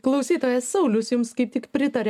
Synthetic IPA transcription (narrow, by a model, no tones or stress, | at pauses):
klˠɐʊsʲiːt̪oːjɛssɐʊlʲʊsjʊmskɐɪp̚t̪ʲɪkpʲɾʲɪt̪ɐɾʲɛ